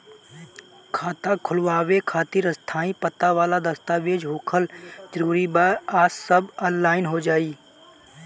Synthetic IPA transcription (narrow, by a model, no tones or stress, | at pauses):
kʰaːt̪akʰʊlʋaːʋekʰaːt̪iɾəst̪ʰaːĩpət̪aʋaːlad̪əst̪aːʋeːd͡ʒɦoːkʰəld͡ʒəɾuːɾibaaːsːəbənlaːɪnɦod͡ʒaːiː